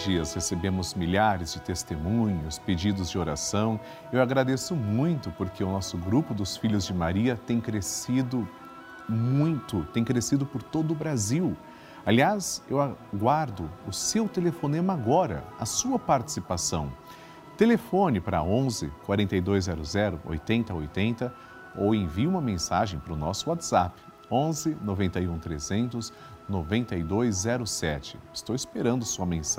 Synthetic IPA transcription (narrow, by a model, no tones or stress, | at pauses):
d͡ʒiɐshesebẽmʊzmiʎaɾɪzd͡ʒɪt̪est̪emũɲʊsped͡ʒid̪ʊzd͡ʒɪoɾa̰sɐ̃w̃ | ewaɡɾad̪esʊmũj̃t̪ʊpoɾkʰeʊnɔsʊɡɾupʊd̪ʊsfiʎʊzd͡ʒɪmaɾiɐt̪ẽj̃kɾesid̪ʊ | mũj̃t̪ʊt̪ẽj̃kɾesid̪ʊpoɾt̪od̪ʊːbɾaziw | aliasewaɡwaɾd̪ʊʊsewt̪elefõnẽmaɡɔɾɐ̰ɐsuɐpaɾt͡ʃi̥sipasɐ̰̃w̃ | t̪elefõnɪpɾɐ̰õzɪ̰kwaɾẽnt̪ɐejd̪ojzzːɛɾʊzɛɾʊ̰ʔo̰jt̪ẽnt̪ɐojt̪ẽnt̪ɐ | owẽviũmɐmẽsa̰ʒẽj̃pɾʊnɔsʊat̪z̥apɪ̥ | õzɪnovẽnt̪ɐjũt̪ɾḛzẽnt̪ʊz | novẽnt̪ɐjd̪ojzzɛɾʊsɛt͡ʃɪ̥̰ɪst̪owɪspeɾɐ̃nd̪ʊsuɐmẽs